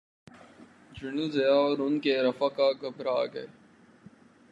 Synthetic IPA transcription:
d͡ʒɪnəzɐjaɔːɾʊnkeɾɐfakaɡʱɐbʱɾaːɡɐe

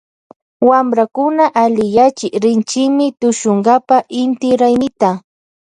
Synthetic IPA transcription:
wamɾakʊnaʔalɪjat͡ʃɪɾɪnt͡ʃɪmɪt̪ʊʃʊɴɢapaʔɪnt̪ɪɾajnɪt̪a

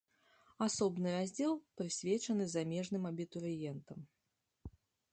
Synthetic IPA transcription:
asɔbnɨɾazʲd͡zʲɛlˠpɾɨsʲvʲɛt͡ʂɐnɨzamʲɛʐnɨmɐbʲit̪uɾɨjɛnt̪ɐm

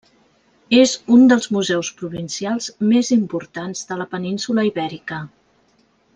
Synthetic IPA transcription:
ezund̪əlˠzmuzɛwspɾuβinsialˠzmezimpuɾt̪anzðələpəninsuləiβɛɾikə

